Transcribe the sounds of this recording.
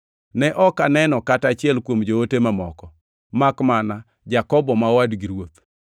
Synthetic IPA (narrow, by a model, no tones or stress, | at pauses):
nɛʔɔkanɛnɔkatat͡ʃɪɛlkwomd͡ʒootemamɔkɔ | makmana | d͡ʒakɔbɔmawadɡiɾwot̪